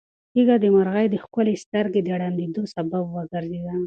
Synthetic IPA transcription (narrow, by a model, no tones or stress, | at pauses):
tiɡad̪əmaɾɣajd̪əxkʊlest̪aɾɡed̪əɽand̪ed̪osababwəɡəɾzed̪a